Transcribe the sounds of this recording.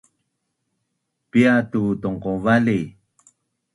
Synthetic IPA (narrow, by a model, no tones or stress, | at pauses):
piatutɔŋqovali